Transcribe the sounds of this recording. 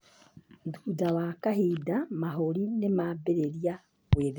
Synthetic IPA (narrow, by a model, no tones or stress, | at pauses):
duːdawaːkaɦidamaɦoɾinemabeɾeɾia | βweðe